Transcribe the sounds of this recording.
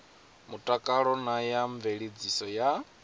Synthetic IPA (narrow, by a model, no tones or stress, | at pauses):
mutʼakʼaɺɔnajaɱveɺid͡zisɔja